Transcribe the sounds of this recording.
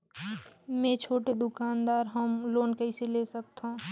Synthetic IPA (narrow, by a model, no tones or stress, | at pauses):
mɛ̃t͡ʃʰoːʈed̪ʊkaːnd̪aːɾɦəmloːnkəɪselesək̚t̪ãː